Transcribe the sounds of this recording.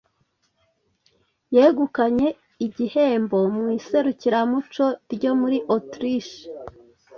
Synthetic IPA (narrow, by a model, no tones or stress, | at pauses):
jeːɡukaɲe̞ | iɟihe̞ːmbo̞mwiːse̞ɾuciɾamut͡ʃo̞ɾɟo̞muɾiʔotɾiʃ